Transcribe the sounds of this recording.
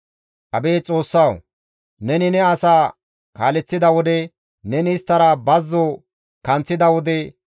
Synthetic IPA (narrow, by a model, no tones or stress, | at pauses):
ʔɐbeːt͡sʼo̞ːsːɐw | nɛnɪnɛɐsaː | kaːlɛt͡sːɪd̪ɐwɔd̪ɛ | nɛnɪɪst̪ːɐɾɐbɐzːɔ | kɐnt͡sːɪd̪ɐwɔd̪ɛ